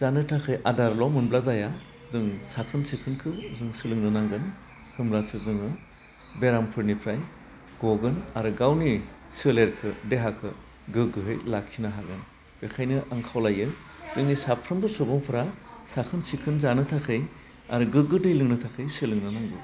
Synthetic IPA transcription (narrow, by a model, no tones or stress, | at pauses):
z̥anɯtʰakʰɯjʔadaɾlɔmɯnblazaja | zɯŋsakʰɯnsikʰɯnkʰɯzɯŋsɯlɯŋnɯnaŋɡɯn | kʰɯmɾasɯzɯŋɯ | beɾampʰɯɾnipʰɾaj | ɡ̥oɡɯnaɾɯɡawni | sɯleɾkʰɯdeɦakʰɯ | ɡɯɡɯɦɯjlakʰinaɦaɡɯn | b̥ekʰajnɯʔaŋkʰawlajɯ | z̥ɯŋnisapʰɾɯmbɯsubɔŋpʰɯɾasakʰɯnsikʰɯnzanɯtʰakʰɯj | a̰ɾɯɡɯɡɯdɯjlɯŋnɯtʰakʰɯjsɯlɯŋnɯnaŋbɯ